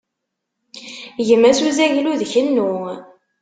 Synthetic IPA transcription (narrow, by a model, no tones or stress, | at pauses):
ʝəmːæsuzæʝiluðçənːu